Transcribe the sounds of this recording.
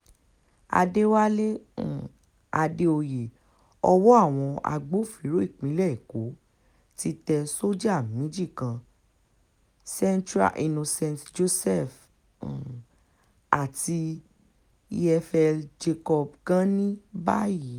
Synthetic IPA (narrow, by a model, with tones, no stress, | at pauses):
a̰˧de˦wa˦lẽ˦˨ | a˧de˧o˧je˨ | ɔ˧wɔ˦a˦˨w̃ɔ̃˧a̰˧ɡ͡bo˨˦˨fi˨˦ɾo˨˦i˦˨k͡pĩ˨˦lɛ˦i˨ko˨˦ | ti˧tɛ˧so˦d͡ʒa˦˨mĩ˨˦d͡ʒi˦˨kã˧ | sɛ̃˦˧ntɾa̰˨ʔi˧nõ˧sɛ̃˧ntd͡ʒo˧sɛ˦f | a˨ti˧ | i˧ɛ˧fɛ˧d͡ʒe˧kɔ˧bɡã˦nĩ˦ba̰˦ji˨˦